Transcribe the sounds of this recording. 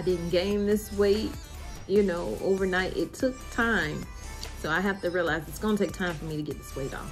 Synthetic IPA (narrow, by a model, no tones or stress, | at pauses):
aɪdɪdⁿn̩ɡ̥ẽɪ̃mðɪswik | jɨnoʊʔo̰ʊvə˞naɪɾʔɪ̰tʰʊk̚tʰãɪ̃m | soʊaɪɦæftɨɹiəlaɪzɨtsɡ̥ʌnətʰeɪk̚tʰãɪ̃ɱfə˞miɾɨɡɛt̪̚ðɨswiɾɔ̰f